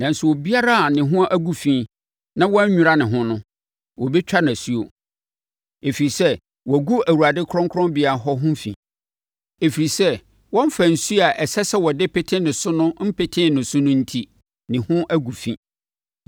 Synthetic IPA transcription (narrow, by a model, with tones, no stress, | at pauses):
nã˨n̩˨su˨wo˨bi˦a˦ɾa˦a˨nɪ̃˨ɦʊ̃˦ʔæ˦ɡu˨fĩ˦ | nã˦wɔ̃˦ɲ̩˦ɲᶣũ˨ɾa˦nɪ̃˨ɦʊ̃˦nʊ̃˦ | wɔ˨bɛ˦t͡ɕᶣa˦nã˨su˦o̰˨ | e˨fi˨ɾi˨sɛ˦ | wɔ˨ɡu˦æ˨wu˨a˨dɪ˦kʰɾɔ̃˦ŋkʰʊ˦ɾɔ̃˦mbi˨a˨ɦɔ˦ɦʊ̃˦fḭ̃˨ | e˨fi˨ɾi˨sɛ˦ | wɔ̃˦m˦fæ˨n̩˨su˦a˨ʔɛ˨sɛ˦sɛ˦wɔ˨dɪ˦pʰɪ˦tʰɪ̃˦nɪ̃˨sʊ˦nʊ̃˦m̩˦pɪ˦˨tʰɪ̃˦˨nʊ̃˨sʊ˦nʊ̃˦n̩˦tʰi˦ | nɪ̃˨hʊ̃˦ʔæ˦ɡu˨fḭ̃˦